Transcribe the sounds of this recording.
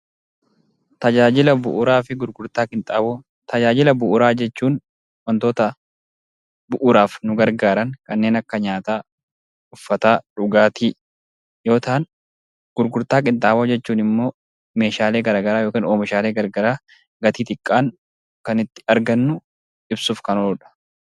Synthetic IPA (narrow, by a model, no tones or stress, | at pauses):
t̪ɐd͡ʒaːd͡ʒɪlɐbʊ̰ʔʊɾaːfɪɡʊɾɡʊɾt̪aːkʼɪnt̪ʼabo | t̪ɐd͡ʒaːd͡ʒɪlɐbʊʔʊɾaːd͡ʒɛt͡ʃːuːn | wɐnt̪o̞ːt̪ɐ | bʊʔʊɾaːfnʊɡɐɾɡaːɾɐŋkɐnːe̞ːnɐkːɐɲaːt̪aː | ʊfːɐt̪aːᶑʊɡaːt̪iː | jo̞ːt̪aːn | ɡ̥ʊɾɡʊɾt̪aːkʼɪnt̪ʼaːboːd͡ʒɛt͡ʃːuːnɪmːo̞ː | me̞ːʃaːleːɡɐɾaːɡɐɾaːjo̞ːkiːnoːmɪʃaːle̞ːɡɐɾɡɐɾaː | ɡɐt̪iːt̪ɪkʼːaːŋ | kɐnɪt̪ːɪ̥ɐɾɡɐnːʊ | ɪbsʊːfkɐnoːᶑɐ̥